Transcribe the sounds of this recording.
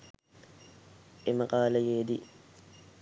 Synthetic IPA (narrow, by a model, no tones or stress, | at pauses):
ʔɛmɐqʼaːlɐjeːd̪i